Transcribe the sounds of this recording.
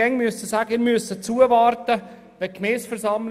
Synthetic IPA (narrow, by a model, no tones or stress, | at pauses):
ɛŋmyəsəsaːɡəɪːɾmyəsət͡suəvɑːɾtə | ʋɛkmɛːsfəɾsɑml